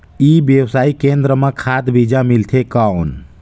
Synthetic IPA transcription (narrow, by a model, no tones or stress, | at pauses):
iːbjəwsaːikẽnd̪ɾəmãkʰad̪bid͡ʒamilt̪ʰekawn